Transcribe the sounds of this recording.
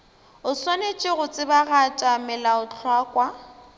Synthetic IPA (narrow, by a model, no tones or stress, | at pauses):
ʊswanet͡ʃʼɪɣʊt͡sʼɪbaɣat͡ʃʼamɪlaʊt͡ɬʰwaːkʼwa